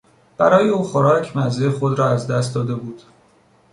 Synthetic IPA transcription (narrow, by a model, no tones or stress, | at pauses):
b̥æɾɒːjeuːxo̞ɾɒːcʰmæzexo̞d̪ɾɒːæzd̪æst̪̚d̪ɒːd̪e̞buːd̪̥